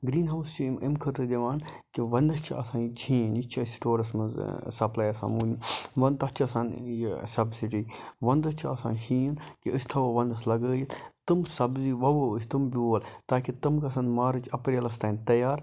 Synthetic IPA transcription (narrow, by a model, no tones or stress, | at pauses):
ɡɾiːnɦɐwst͡ʃumimkʰɐɾt̪ɨd̪ɐʋaːn | kiʋɐnd̪ɐt͡ʃʰiɐ̰sãːnt͡ʃʰĩːnit͡ʃʰɐsʈoːɾɐsmɐzsɐplaːjɐsa̰ːnmuːnʋɐnt̪ɐt͡ʃʰɐsaːnjsɐbsiʈiːʋɐnd̪ɐt͡ʃʰuɐsã̰ːnʃʰĩːnkiəsʲt̪ʰɐʋoʋɐnd̪ɐslɐɡəːjit̪t̪ɨmsɐbziʋɐʋoːəst̪ɨmbʲuːɐlt̪aːkit̪ɐmkɐsɐnd̪maːɾɨt͡ʃʰɐpɾjɐlɐst̪ɐːnt̪ɐjaːɾ